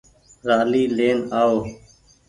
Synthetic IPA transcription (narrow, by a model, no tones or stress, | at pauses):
ɾaːliːleːnaːoː